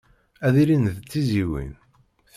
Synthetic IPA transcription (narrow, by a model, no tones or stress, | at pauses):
æðiɾinðt͡sːiziwḭn | θ